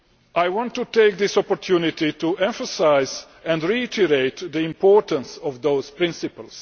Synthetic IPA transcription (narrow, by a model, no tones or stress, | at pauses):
ʔajwɔ̃ntːuteɪk̚ðɪsɔpɔɹtʰjunɪt̪ituɛ̃ɱfəsaɪz | æ̃ndɹiɪtʰəɾeɪt̪d̪əɪ̃mpʰɔɹtə̃nsɔvd̪oʊz̥pɹɪ̃nsɪpəls